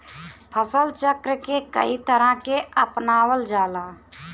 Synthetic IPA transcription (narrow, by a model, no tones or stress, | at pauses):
pʰəsəlt͡ʃəkɾəkekə̰it̪əɾãkeəpnaːwəld͡ʒaːlaː